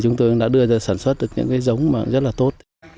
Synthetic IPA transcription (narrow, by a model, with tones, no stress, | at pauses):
t͡ɕʊ˨˦ŋ͡mt̪o˧jɗa̰ː˧˥ɗɨ˧əzəː˨˩saː˧˩nswə˦˥t̚ɗɨ˨˩ək̚ɲɨ̰˧˥ŋkaː˨˦jzə˨˦wŋ͡mma̰ː˧˨ŋzə˦˥t̚laː˨˩t̪o˦˥t̚